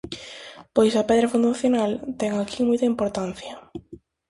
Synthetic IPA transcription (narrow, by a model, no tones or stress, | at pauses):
pojsɐpɛðɾɐfũnd̪anaθjonalt̪ɛŋakʰimojt̪ɐimpoɾt̪an̟θjɐ